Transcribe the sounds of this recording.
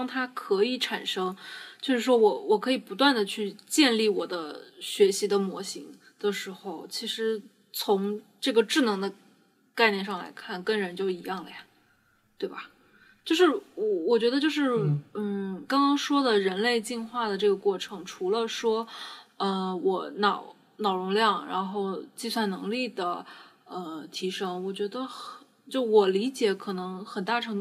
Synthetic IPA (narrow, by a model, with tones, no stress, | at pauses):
ŋt̪ʰa˥kʰɤ˧˥i˧˩ʈ͡ʂʰa˨˩nʂɤ˥ŋt͡ɕjo˥˧ʊʂɻ̩˥˩ʂwɔ˥wɔ˨˧˩wɔ˨˩kʰɤ˧˥i˨˩pu˧˥t̪wa˥˩nd̪ə˩t͡ɕʰy˥˧t͡ɕjɛ˥˧nli˥˩wɔ˨˩d̪ə˦ɕɥɛ˧˥ɕi˧˥d̪ə˧mwɔ˧˥ɕi˧˥ŋ | d̪̥ə˨ʂɻ̩˧˥xo˥˧ʊt͡ɕʰi˧˥ʂɻ̩˧˥ | t͡sʰʊ˧˥ŋʈ͡ʂɤ˥˩ɡə˩ʈ͡ʂɻ̩˥˩nɤ˧˥ŋd̪ə˧ | ka˥˧ɪnjɛ˥˧nʂɑ˥˩ŋla̰˧˥ɪkʰa˥˩nkə˥ŋɻə˧˥nt͡ɕjo˥˩ʊi˧˥jɑ˥˩ŋlə̰˩jɐ˩ | t̪we˥˩ɪbɐ˩ | t͡ɕjo˥˧ʊʂɻ̩˥˩wɔ˨˧˩wɔ˨˩t͡ɕɥɛ˧˥d̪ə˧t͡ɕjo˥˧ʊʂɻ̩˥˩n̩˥˩kɑ˥ŋkɑ˥ŋʂwɔ˥d̪ə˨ɻə˧˥nle˥˧ɪt͡ɕi˥˧nxwa˥˩d̪ə˩ʈ͡ʂɤ˥˩ɡə˩kwɔ˥˩ʈ͡ʂʰɤ˧˥ŋʈ͡ʂʰu˧˥lə˧ʂwɔ˥ə˧wɔ˨˧˩nɑ˨˩˦ʊ | nɑ˨˩ʊɻʊ˧˥ŋljɑ˥˩ŋɻa̰˧˥nxo˥˧ʊt͡ɕi˥˧swa˥˩nnɤ̰˧˥ŋli˥˩d̪ə˩ | ə˧t̪ʰi˧˥ʂɤ˥ŋwɔ˨˩t͡ɕɥɛ˧˥d̪ə˧xt͡ɕjo˥˩ʊwɔ˨˩li˧˥t͡ɕjɛ˧˥kʰɤ˨˩nɤ˧˥ŋxə˨˩nt̪a˥˩ʈ͡ʂʰɤ˧˥ŋ